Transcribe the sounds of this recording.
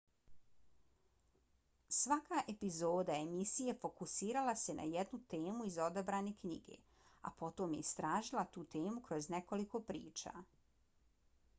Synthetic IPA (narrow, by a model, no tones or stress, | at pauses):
sʋakaʔepizo̞ːd̪ae̞misije̞fo̞kusiːɾalase̞na̰jed̪nut̪e̞ːmuizo̞d̪abɾaːne̞kɲḭɡe̞̰ | a̰po̞t̪omjeist̪ɾaːʒilˠat̪uːt̪e̞ːmukɾo̞zne̞ko̞liko̞pɾḭːt͡ʃa̰ː